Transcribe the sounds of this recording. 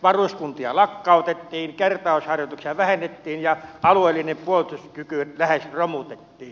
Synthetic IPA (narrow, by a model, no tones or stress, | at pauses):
ʋɑrusʲkunt̪iɑlɑkːɑˑot̪et̪ːiːŋkert̪ɑˑoshɑrjot̪uksijɑʋæhenːet̪ːiːnjɑɑlueːlːinempuolt̪uskykylæhesromut̪et̪ːiːn